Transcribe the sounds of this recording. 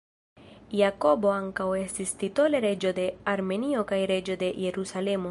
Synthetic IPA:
jako̞bo̞aŋkawe̞stist̪it̪o̞le̞ɾe̞d͡ʒo̞d̪e̞aɾme̞nio̞kajɾe̞d͡ʒo̞d̪e̞je̞ɾusale̞mo

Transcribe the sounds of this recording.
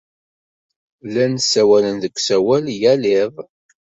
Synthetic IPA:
lænsæwælənðəkʷːsæwæljælɪðˤ

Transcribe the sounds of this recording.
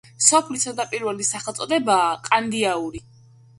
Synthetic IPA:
sɔpʰlisad̪apʼiɾvɛlisaχɛlˠt̪sʼɔd̪ɛbaːqʼand̪iauɾi

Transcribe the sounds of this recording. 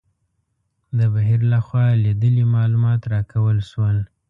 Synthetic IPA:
d̪əbaɦiɾlaxwɑlid̪əlimɑlumɑt̪ɾɑkawəlʃwəl

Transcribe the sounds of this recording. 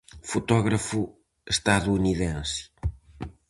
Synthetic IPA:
fut̪ɔɣɾɐfu | eʃt̪aðuːniðẽns

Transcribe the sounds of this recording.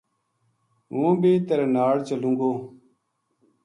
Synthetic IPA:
ɦũːbiːt̪əɾenaːɽt͡ʃəlũːŋɡoː

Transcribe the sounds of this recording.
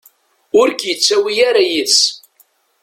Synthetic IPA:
ʊɾkjət͡sːæwijaɾæjis

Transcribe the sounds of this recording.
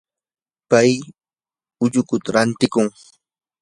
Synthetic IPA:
paj | ʊʎʊkʊt̪aɾant̪ɪkʊŋ

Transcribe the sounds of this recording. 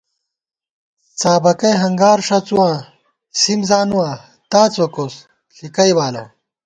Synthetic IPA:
t͡saːbɐkɐjɦɐŋɡaːɾʂɐt͡suwãː | simzaːnuwãː | t̪aːt͡sokos | ɬikɐjbaːlɐ̰

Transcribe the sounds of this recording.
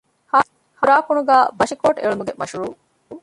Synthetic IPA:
h | huɾaːkuɳuɡæːbɐʃikoːʈḛɭumuɡemɐʃuɾuː

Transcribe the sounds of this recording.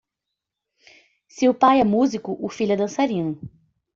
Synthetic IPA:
siʊpajɛmuzikʊʔʊfiʎɛd̪ɐ̃saɾĩnʊ

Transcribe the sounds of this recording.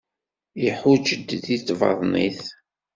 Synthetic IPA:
jiħʊd͡ʒəd̪ðiθvɑ̰ðˤniθ

